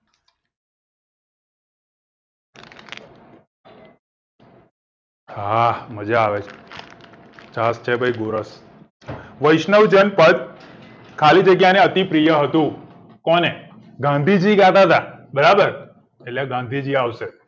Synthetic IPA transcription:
ɦaməd͡ʒaaʋet͡ʃʰ | t͡ʃast͡ʃʰebʱəjɡoɾəs | ʋəjʃnəʋd͡ʒənpəd̪ | kʰalid͡ʒəɡjaneət̪ipɾijəɦət̪ũ | kɔne | ɡãnd̪ʱid͡ʒiɡat̪at̪abəɾabəɾ | eʈleɡãnd̪ʱid͡ʒiaʋse

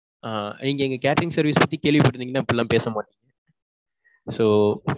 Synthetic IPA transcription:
aːniːŋɡɐɛŋɡɐkaːʈɾɪŋsɐɾʋiːspɐt̪ːikeːɭʋipɐʈːɾɯnd̪iŋɡɐnaːɪpːɛlːãːpeːsɐmaːʈiːŋɡɐ | soː

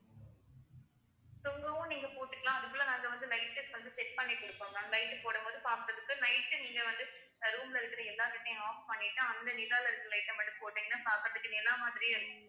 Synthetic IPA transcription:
t̪ɔŋɡɐʋʊ̃niːŋɡɐpoːʈːɯkːɐlãːɐðɯpːoːlːɐnãːŋɡɐʋɐnd̪ɯlɐɪʈ̚sɐksʋɐnd̪ɯsɛʈ̚pɐɳːɛkːʊɽɯpːõːŋnaːŋɡɐlɐɪʈːɯpoːɽɐpoːðɯpaːɾkɾɐðɯkːɯnɐɪʈːɯniːŋɡɐʋɐnd̪ɯ | d̪ɐɾuːmlɪɾɯkːɪɾɐɛlːaːkɪʈːɐ̃aːppɐɳːɪʈːɯɐnd̪ɐnɪðaːlɪɾɯkːɯɾɐlɐɪʈːɐpɐʈːɯpoːʈːiːŋɡɐnːaːpaːkɾɐðɯkːɯnɛlːaːmaːðɪɾijɪɾɯkːɯŋ

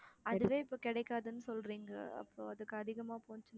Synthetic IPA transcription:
ɐðɯʋeːɪpːoːkɪɽɐɪkːaːðɯnːɯsɔlɾiːŋɡɐɐ̰pːoːɐðɯkːɯɐðɪɣɐmaːpoːɲt͡ʃːɯn

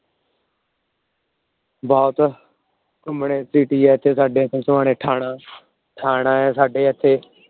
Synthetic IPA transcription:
bɔːt̪ | kəmɳeːsiːʈiːɛːɪt̪ʰːeːsaːɖeːət̪ʰẽːsəʋãːɽ̃eːʈʰaːɽaː | ʈʰaːɽãːɛːsaːɖeːət̪ʰːeː

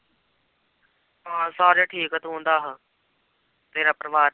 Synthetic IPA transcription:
ɦãːsaːɾaːʈʰiːkət̪ɦõːnd̪aːɦãː | t̪eːɾaːpɾəʋaː

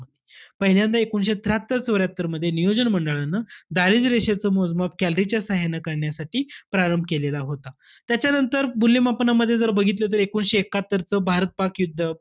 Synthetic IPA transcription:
əd̪ʱjpəɦiljand̪aekonɕet̪ʰɾat̪ːəɾt͡sʋəɾjat̪ːəɾməd̪ʱːjenijod͡ʑənməɳɖəɭanːəd̪aɾiːd͡zɾeɕat͡səːmod͡zmap̚kɛlɾit͡ɕjasaɦenakəɾɳjasaʈiːpɾaɾəmbʱkelelaɦot̪a | t̪jat͡ɕjanənt̪əɾbulːimapnaməd̪ʱːjed͡zəɾbəɡʱit̪lət̪̬əɾekuɳɕeːkat̪ːəɾt͡səːbʱaɾət̪̚pakjud̪ʱːə

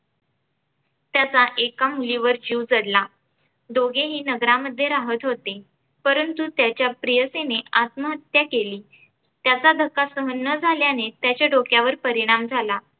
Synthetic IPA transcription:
t̪jat͡saʔekamuliʋəɾd͡ʑiwd͡zəɽla | d̪oɡeɦiːnəɡɾaməd̪ʱːjeɾaɦət̪ɦot̪e | pəɾənt̪ut̪jat͡ɕjapɾijəseneat̪məɦət̪jakeliː | t̪jat͡sad̪ʱəkːasəɦənːəd͡zʱaljanet̪jat͡ɕjaɖokjaʋəɾpəɾiɽ̃amd͡zʱala

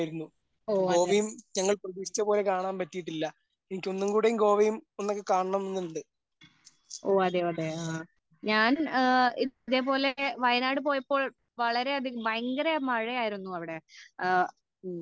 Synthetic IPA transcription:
jiɾunːu | oːɡɐoːʋijumɲɐŋːɐɭprɐðiːsi̥t͡ɕːɐpoːle̞kaːɳaːnpɐtːijiʈːilːɐ | enikʲːo̞nːumkuːɽejumɡo̞ːʋijumonːokːekaːɳɐɳɐmnːinːuɳɖɨ | oːɐðeɐðe̞aː | ɲaːniiðe̞ːpo̞ːle̞ʋɐjɐnaːɽɨp̬o̞ːjɐpːo̞ːɭ | ʋɐɭɐɾe̞ɐðibɐjŋɡɐɾemɐɻɐjaːjiɾunːuɐʋiɽe̞

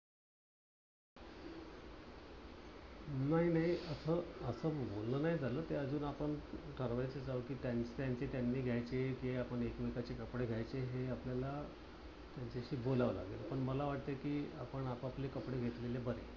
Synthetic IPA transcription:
naɦinaɦiəsəːəsəːbollənaɦid͡zʱaləːt̪eəd͡zuːnapəɳʈʰəɾʋajt͡səd͡zaʋəkiːt̪jaɲt͡st̪jaɲt͡set̪janːiːɡʱjajt͡sekiapəɳekʋikat͡ɕekəpɽeɡʱjajt͡seɦeapljala | t̪jaɲt͡ɕaɕiːbolaʋla̰ɡelpəɳməlaʋaʈ̚t̪ekiːapəɳapaplekəpɽeɡʱet̪lelebəɾḛ

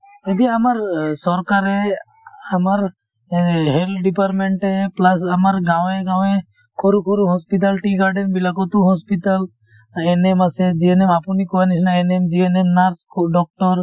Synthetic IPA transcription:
ed̪iɐmɐɾsɔɾkaɾɦe | ɐmaɾ | ɦelɖipaɾʈmẽɳʈeplɐsɐmɐɾɡãʋẽɡãwʋẽ | kʰoɾukʰoɾuɦɔspiʈ̪̬ɐlʈiɡaɾɖenbilakot̪uɦɔspit̪əl | enemased͡ʒienemapunikoanisnaenemd͡ʒienemnaɾskɖɔk̚ʈɔɾ

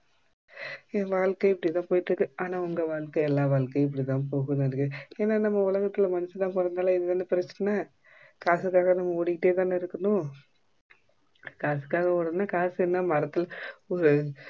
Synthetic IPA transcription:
ẽːʋaːɭkɐɪpːɐɽit̪ãːpoːjɪʈːrɯkːɯaːnãːʊŋɡɐʋaːɭkɐɛlːaːʋaːɭkɐɪp̬ːɐɽit̪ãːnpoːɣɯðɪɾɯkːɯeːnːaːnɐmːɐʊlɐɣɐt̪ːɪlmɐnɪsɐt̪ãːpɔɾɐnd̪aːlɐ̃ɪðɯðɐnːɯpɪɾɐt͡ʃːɐnɐ | kaːsɯkːaːɣɐnɐmːɐɔɽɪkːɪʈːeːt̪ãːnɪɾɯkːɐnʊ̃ | kaːsɯ̥kːaːɣɐɔɽɐnaːkaːsɛnːamɐɾɐt̪ːɪlɔɾɯ

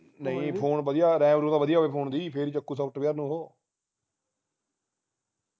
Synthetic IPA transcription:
nəĩːpʰoːnbəd̪ɪjaːɾɛ̃ːʋəɾuːd̪aːʋəd̪ijaːɦʋeːpʰoːnd̪iːpʰeɾiːt͡ʃəkːuːs̬əpʰʈpeəɾnũːɦoː

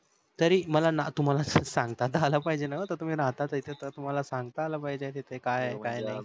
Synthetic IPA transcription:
t̪əɾiməlanat̪um̤alassaŋɡ̚t̪at̪aːlapaɦjd͡ʑenakat̪əɾt̪um̤iːɾaɦt̪at̪əɾit̪et̪əɾt̪um̤alasaŋɡt̪aːlapajd͡ʑet̪it̪ʰekajkajnaj

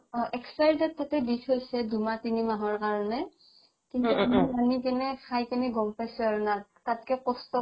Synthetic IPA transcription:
ʔɛksajdɛtʰːatɛditʰɦojsɛdumatinimaɦɔɹkaɹɔnɛ | kintumɔmanikɛnɛxʰajkɛnɛɡɔmpajsʊaɹunatatkɛkɔstɔ

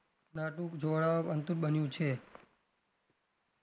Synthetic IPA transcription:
naʈũkd͡ʒoɭapənt̪uɾɓənjũt͡ʃʰe

